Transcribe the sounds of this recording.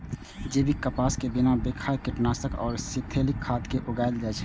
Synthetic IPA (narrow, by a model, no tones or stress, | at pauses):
d͡ʒeːbʱikəpaːskebɪnabeːkʰaːjkɪʈnaːsəkɔːɾsɪt̪ʰeːlɪkʰːaːt̪keʔʊɡaːɪld͡ʒat͡ʃʰɛ̥